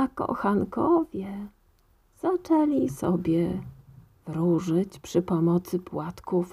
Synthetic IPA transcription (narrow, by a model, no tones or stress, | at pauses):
akɔ̰xankɔvʲjɛ | z̥at͡ʂɛlʲisɔbʲjɛ | vɾuʐɘt͡ɕpʂɘpɔmɔt̪sɘpwat̪kuf